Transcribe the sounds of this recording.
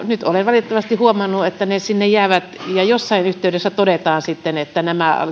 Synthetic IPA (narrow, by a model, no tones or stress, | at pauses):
nyt̪olenʋɑlit̪et̪ːɑʋɑst̪ihuomɑnːuet̪ːænesinːejjæːʋæt̪jɑjosːɑinyht̪eydesːæt̪odet̪ɑːnsit̪ːenet̪ːænæmæ̰